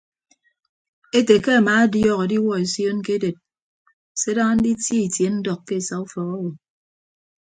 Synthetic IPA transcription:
e˦te˨ke˦a˨maː˨˦a˦djɔ˦˨ɣe˨di˦wɔ˦e˨sjo˦n˦ke˦de˨t̚ | se˦da˦ŋa˦n̩˦di˦tji˦i˨tje˨˦n̩˦dɔ˨kːe˦˨sa˨u˦fɔ˨kɔ˦wo˨

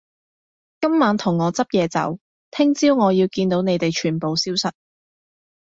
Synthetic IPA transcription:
kɐ˥mmaː˨˧˥nt̪ʰʊ˨˩ŋːɔː˨˧t͡sɐ˥p̚jɛː˨˧t͡sɐ̰˨˥w | t̪ʰɪ˥ŋt͡siː˥wŋɔː˨˧jiː˧wkiː˧nt̪o˨˥wne˨˧jt̪e˨jt͡ʃʰyː˨˩npo˨wsiː˥wsɐ˨t̚

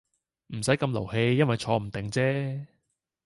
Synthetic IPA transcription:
m̩˨˩sɐ˨˥jkɐ˧mlo̰˨˩wɦe˧jːɐ˥nwɐ˨jt͡ʃʰɔː˧m̩˨˩t̪ɪ˨˩ŋt͡sɛː˥

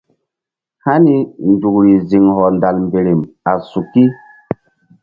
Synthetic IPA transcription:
ha˦ni˦ndu˨kɾi˨zi˨ŋhɔ˨nda˨lmbe˨ɾe˨ma˨su˨kːi˦

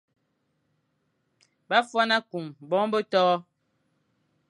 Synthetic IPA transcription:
ba˦fwa˦na˦ku˨mbɔ˨˦bə˦tɔː˦

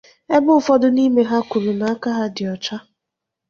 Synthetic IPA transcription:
e˦bʊ˦ʊ˦fɔ˦dʊ˦ni˦me˨ɦa˦kʷu˨ɾu˨na˨a˦ka˦ɦa˦dɪ˨ɔ˨t͡ʃa˦

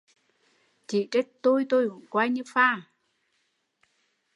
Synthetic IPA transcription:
t͡ɕi˧˨t͡ɕe˦˥k̚t̪o˧jt̪o˧jhu˧˩˨nkwaː˧jɲɨ˧faː˧˩

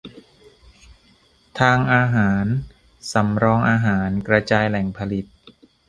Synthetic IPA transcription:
t̪ʰaː˧ŋʔaː˧ɦaː˩˦n | sa˩˦mɾɔː˧ŋʔaː˧ɦaː˩˦nkɾa˧t͡ɕaː˧jlɛ˨˩˦ŋpʰa˧li˨˩t̪̚

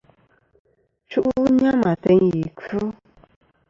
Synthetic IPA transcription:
t͡ʃu˦ʔu˦ɲã˦mã˨tɛ˧ŋji˨ku˦

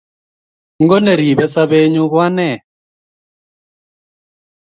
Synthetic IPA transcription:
ŋɡɔ˦nɛ˨ɾi˨bɛ˦sa˦be˦ɲu˦ɣwa˦nɛ˦˨

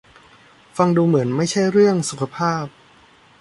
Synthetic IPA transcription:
fa˧ŋduː˧mɯ˩˦ənma˥˩jt͡ɕʰa˥˩jɾɯ˥˩əŋsu˨˩kʰa˧pʰaː˥˩p̚

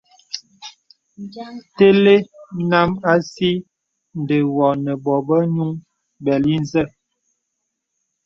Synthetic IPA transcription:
te˦le˦na˦ma˦si˦ | n̩˨de˨wɔ˨nə˨bɔ˨bə˦ɲu˦ŋ | bɛ˨li˦n˦zə˦

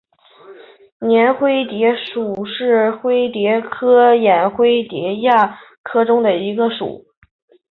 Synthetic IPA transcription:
njɛ˧˥nxwe˥ɪt̪jɛ˧˥ʂu˨˩ʂɻ̩˥˩xwe˥ɪt̪jɛ˧˥kʰɤ˥jɛ˨˩nxwe˥ɪt̪jɛ˧˥ja˥˩ | kʰɤ˥ʈ͡ʂʊ˥ŋd̪ə˨i˧˥ɡə˧ʂṵ˨˩˦

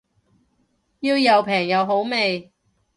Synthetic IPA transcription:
jiː˧wjɐ˨˧wpʰɛː˨˩ŋjɐ˨˧wɦo˨˥wme˨j

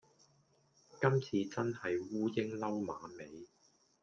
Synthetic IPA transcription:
kɐ˥mt͡sʰiː˧t͡sɐ˥nhɐ˨jwuː˥jɪ˥ŋlɐ˥wma̰ː˨˧me˨˧j

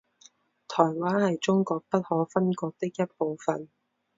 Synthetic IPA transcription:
t̪ʰɔː˨˩jwaː˥nhɐ˨jt͡ʃʊ˥ŋkɔː˧k̚pɐ˥t̚hɔː˨˥fɐ˥nkɔː˧k̚t̪ɪ˥k̚jɐ˥t̚po˨wfɐ˨n

